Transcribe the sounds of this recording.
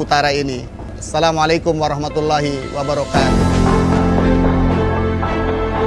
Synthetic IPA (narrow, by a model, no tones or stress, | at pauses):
ut̪aːɾaeni | ɐsːɐlaːmʕaleːkʊmʋɐɾˤɑɦmɐt̪ulːaːɦiwɐbɐɾɔkaːt̪